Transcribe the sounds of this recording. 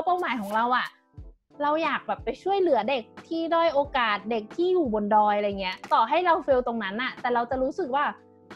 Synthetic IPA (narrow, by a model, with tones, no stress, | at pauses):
pa˥˩wmaː˩˦jkʰɔː˩˦ŋɾa˧wʔa˨˩ | ɾa˧wjaː˨˩k̚bɛː˨˩pːa˧jt͡ɕʰu˥˩əjlɯ˩˦ɐde˨˩k̚t̪ʰiː˥˩dɔː˧˥˩jʔoː˧kaː˨˩t̪̚de˨˩k̚t̪ʰiː˥˩juː˨˩bo˧ndɔː˧jɾa˧jŋːi˦˥ɐt̪ɔː˨˩ɦa˥˩jɾa˧wfe˧wt̪o˧ŋna˦˥nʔa˨˩t̪ɛː˨˩ɾa˧wt͡ɕa˨˩ɾuː˦˥sɯ˨˩k̚waː˥˩